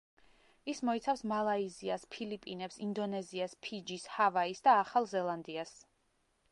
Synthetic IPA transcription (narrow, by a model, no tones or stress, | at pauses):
ismɔit̪sʰafsmalˠaiziaspʰilipʼinɛpsind̪ɔnɛziaspʰid͡ʒishavaisd̪aːχalˠzɛlˠand̪ias